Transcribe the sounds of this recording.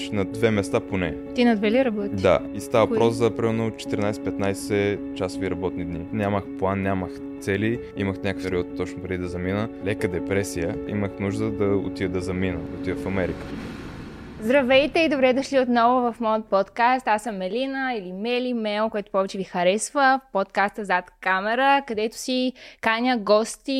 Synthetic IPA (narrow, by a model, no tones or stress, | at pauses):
ʃnɐd̪vɛmɛst̪aponɛ | t̪inɐd̪vɛliɾɐbɔd̪a̰ist̪avpɾɔszɐpɾimɛɾnot͡ʃɛ̥t̪əɾinajsɛ̥pɛt̪najsɛt͡ʃasoviɾɐbɔt̪nid̪ninʲaməxplˠanːʲaməx | t̪sɛli | iməxnʲakəkfɛɾiɔt̪t̪ːɔt͡ʃnopɾɛd̪id̪ɐzɐminəlɛkəd̪ɛpɾɛsijəḭməxnuʒd̪əd̪ɐo̰t̪ivəd̪ɐzɐminə̰o̰t̪ivəfɐmɛɾikə̥ | zd̪ɾɐvɛjt̪ɛid̪obɾɛd̪ɐʃliot̪nɔvʊvɐfmɔjət̪̚pɔt̪kast̪asəmːɛlinəilimɛlimɛlˠkoɛt̪ʊ̥pɔvɛt͡ʃɛvixɐɾɛsvəpot̪kast̪əzat̪kamɛɾəkɐd̪ɛt̪ʊ̥sikanʲəɡɔst̪i